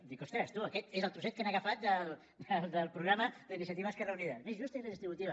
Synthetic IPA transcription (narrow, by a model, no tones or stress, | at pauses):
d̪ikost̪ɾəst̪uəkɛt̪ezəlˠt̪ɾusɛt̪̚kanəɣəfat̪̚d̪əl | d̪əlˠd̪əlˠpɾuɣɾaməd̪əinisjət̪iβəskɛrəuniðɐmezʒust̪inləðist̪ɾiβut̪iβɐ